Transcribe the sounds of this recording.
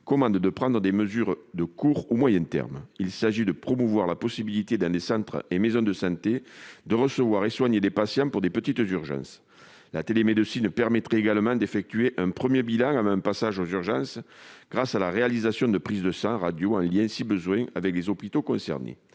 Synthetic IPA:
kɔmɑ̃nd̪d̪əpχɑ̃nd̪ʁəd̪eməzyʁd̪əkuʁumwajɛ̃t̪ɛ̰ʁmilsaʒid̪əpχɔmuvwaʁlapɔsibilit̪ed̪ɑ̃lesɑ̃t̪χə̰emezɔ̃d̪əsɑ̃t̪ed̪əʁəsəvwaʁeswaɲed̪epasjɑ̃puʁd̪epət̪it̪zyʁʒɑ̰̃s | lat̪elemed̪əsinpɛʁmɛt̪χɛeɡaləmɑ̃d̪efɛk̚t̪yeʔɛ̃pχəmjebilɑ̃ŋavɑ̃ɛ̃pasaʒozyʁʒɑ̃sɡ̥ʁasalaʁealizasjɔ̃d̪əpχizəd̪əsɑ̃ʁad̪joɑ̃ljɛ̃sibəzwɛ̃a̰vɛklezɔpit̪okɔ̃sɛ̰ʁnḛ

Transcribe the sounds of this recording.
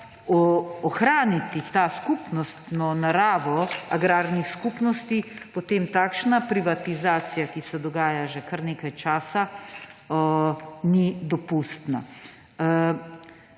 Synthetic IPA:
ɔːxɾaːnit̪it̪aːskupnɔst̪nɔnaɾaːʋɔaɡɾaːɾnixskupnɔst̪ipot̪eːmt̪aːkʃnapɾiʋat̪izaːt̪sijakisɛd̪ɔɡaːjaʒɛkaɾneːkajt͡ʃaːsa | nid̪ɔpuːst̪na̰

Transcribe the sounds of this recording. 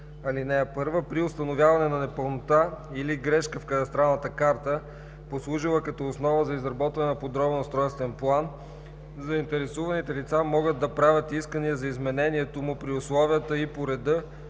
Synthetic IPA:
ɐlinɛɛpɤɾvəpɾiʊst̪ɐnovʲjavɐnɛnɐnɛpəlˠnot̪ailiɡɾɛʃkəfkɐt̪ɐst̪ɾalˠnət̪əkaɾt̪ə | poslˠuʒilˠəkɐt̪ɔʊsnɔvəzɐizɾɐbɔt̪vɐnɛnɐpod̪ɾɔbnʊst̪ɾɔjst̪vɛnplˠan | zɐint̪ɛɾɛsuvɐnit̪ɛlit̪samɔɡəd̪̚d̪ːɐpɾavʲət̪iskəniəzɐizmɛnɛniɛt̪omʊpɾiʊslˠɔviət̪əipoɾɛd̪ɤ

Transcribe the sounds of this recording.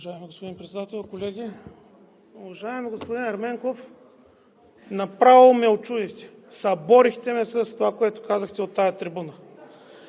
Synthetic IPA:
vɐʒaɛmiɡospod̪inpɾɛt̪ɛd̪at̪ɛlˠkolɛɡ̟ʲi | ovɐʒaɛmɡospod̪inɐɾmɛŋkof | nɐpɾavilˠmɛot͡ʃud̪ixt̪ɛ̥ | sɐbɔɾixt̪ɛmɛsəst̪ovakoɛt̪ʊ̥kazəxt̪ɛot̪ːajɐt̪ɾibunə

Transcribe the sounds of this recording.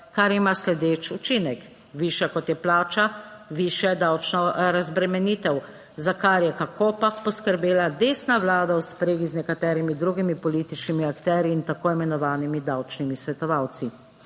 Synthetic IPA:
kaɾimaslɛd̪eːt͡ʃut͡ʃinɛk | ʋiːʃjɛkɔt̪jɛplaːt͡ʃaʋiʃjɛd̪awt͡ʃnɔɾazbɾɛmɛniːt̪ɛw | zakaɾjɛkakoːpapɔskəɾbeːlad̪eːsnaʋlaːd̪awspɾeːɡiznɛkat̪ɛːɾimid̪ɾuːɡimipɔlit̪it͡ʃnimiakt̪ɛːɾjiːnt̪akoimɛnɔʋaːnimid̪awt͡ʃnimisʋɛt̪ɔʋawt̪si

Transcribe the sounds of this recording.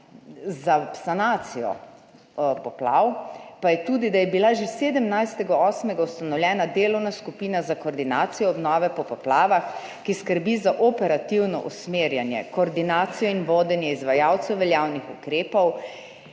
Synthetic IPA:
zapsanaːt̪sijɔ̰ | pɔpla̰wpajɛt̪uːd̪id̪ajɛbilaʒeseːd̪əmnajst̪ɛɡaɔːsmɛɡaust̪anɔwljɛːnad̪eːlɔwnaskupiːnazakɔːɾd̪inaːt̪sijɔːbnɔːʋɛpɔpɔplaːʋax | kiskəɾbizaʔɔpɛɾat̪iwnɔ̰ʔusmeːɾjanjɛ̰kɔːɾd̪inaːt̪sijɔinʋoːd̪ɛnjɛizʋajawt̪sɛwʋɛljaːwnixukɾeːpɔw

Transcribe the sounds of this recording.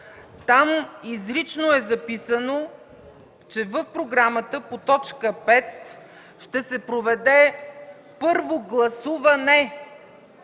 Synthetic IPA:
t̪amizɾit͡ʃnoɛzɐpisəno | t͡ʃɛvəfpɾoɡɾamət̪əpot̪ɔt͡ʃkəpɛt̪ | ʃt̪ɛsɛpɾovɛd̪ɛ | pɤɾvoɡlˠɐsuvɐnɛ

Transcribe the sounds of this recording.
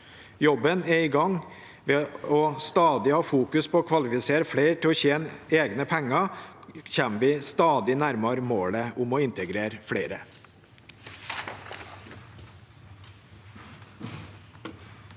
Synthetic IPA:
jɔbənɛiːɡɑŋ | ʋeːɔst̪ɑːd̪ɪhɑːfuːkʉspʰoːkʰʋɑlɪfɪseːɾfɽeɪʈʰɪɔːçeːneːɡnəpʰɛŋɑ | çɛnʋɪːst̪ɑːd̪ɪnæɾmɑɾmoːɽəʊmoːɪnt̪ʰəɡɾeːɾfɽeɪɾə

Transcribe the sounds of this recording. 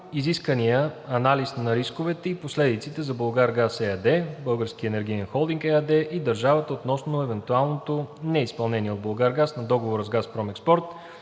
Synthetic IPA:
iziskənijəɐnalisnɐɾiskovɛt̪ɛiposlɛd̪it̪sit̪ɛzɐbolˠɡaɾɡasɛad̪ɛbɤlˠɡəɾskiəɛnɛɾɡ̟inɛnxɔlˠd̪iŋkɛad̪ɛʔid̪ɐɾʒavət̪əot̪nɔsnoɛvɛnt̪ualˠnot̪onɛispɐlˠnɛnʲiɛod̪̚bolˠɡaɾɡasnɐd̪ɔɡovoɾəzɡaspɾɔmɛkspɔɾt̪

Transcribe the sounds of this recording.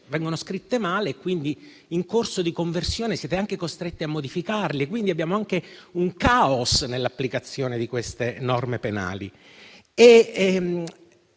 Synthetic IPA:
vɛŋɡonoskɾit̪ːemaːleːkːwind̪i | iŋkorsod̪ikoɱversjoːnesjɛːt̪eaŋkekost̪ɾet̪ːiamːod̪ifikarlikwind̪iabːjaːmoaŋkeuŋkaosnelːapːlikat̪sːjoːned̪ikwest̪enɔrmepena̰ːlḭ | e

